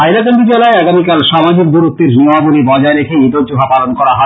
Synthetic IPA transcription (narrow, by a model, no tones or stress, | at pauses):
ajɾakenʈid͡ʑelaeaɡamikalʃamad͡ʑʱik̚d̪uɾut̪ːeɾnioabolibɔd͡ʑaeɾekʰeid̪od͡ʑoɦapalonkɔɾaɦɔ